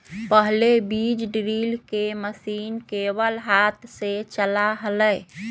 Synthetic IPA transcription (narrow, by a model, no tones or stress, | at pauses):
pəɦlebid͡ʒɖɾilkeməsiːnkebəlɦat̪ʰset͡ʃəlaɦələj